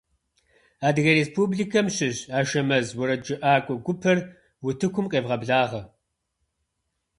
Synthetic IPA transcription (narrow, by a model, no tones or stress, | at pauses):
aːdɨɣɐɾeːspʰubɮikʰɐmɕɪʑaːʃɐmɐzwʊɾɐd͡ʒɪʔaːkʷʼɔɡʷʊpʰɐr | wʊtʰɨkʷʰʊmqʼeːvʁɐbɮaːʁɐ